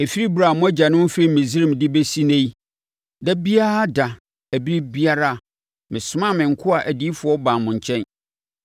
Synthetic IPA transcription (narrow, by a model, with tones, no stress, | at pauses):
e˨fi˦ɾi˦bu˨ɾa˨mʊ̃˦æ˦d͡ʑa˨nʊ̃˦fe˦i˨mɪ̃˨zi˦ɾɪ˦m˨dɪ˦be˦si˦nẽ˦ji˦ | da˦bi˦a˦ɾa˦da˨ | æ˨bi˦ɾi˦bi˦a˦ɾa˦˨ | mɪ̃˨sʊ˦mã˦˨mɪ̃˨ŋ̩˨kʰʊ˦a˨ʔæ˨di˦fʊ˨˦ɔ˦bã˨mʊ̃˨ɲ˨t͡ɕʰɛ̃˦n